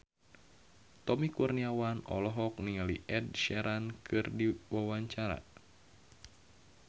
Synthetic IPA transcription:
t̪ɔmikurniawanɔ̰lɔɦɔk̚niŋaliʔɛd̚ʃɛɾankʰɨrdiwawaɲt͡ʃaɾa̰

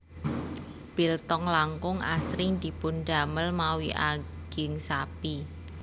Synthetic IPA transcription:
b̥ilt̪ɔŋlaŋkʊŋa̰sɾɪŋd̪̥i̤pʊnɖa̤məlmawiʔa̰ɡ̥ɪŋsapi

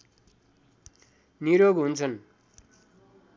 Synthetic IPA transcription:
niɾoɡɦunt͡sʰʌn

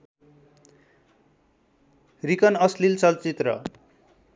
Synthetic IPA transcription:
rikʌnʌslilt͡sʌlt͡sit̪rʌ̰

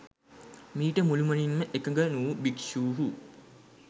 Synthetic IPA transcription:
miːʈəmulumɐninməʔekəŋɡənuːbikʃuːɦu

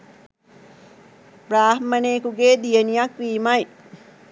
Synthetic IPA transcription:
braːɦmɐneːkuɡeːd̪ijənijɐkʋiːmɐj

